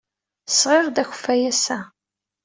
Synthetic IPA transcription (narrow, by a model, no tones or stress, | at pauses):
sʁɪɾðæç̥fæjæsæ